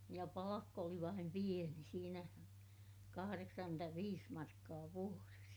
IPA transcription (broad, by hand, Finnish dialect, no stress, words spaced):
jɑ pɑlɑkː oli ʋɑim pieni siːnæ kɑhɑreksɑŋkyntæʋiːs mɑrkːɑː ʋuores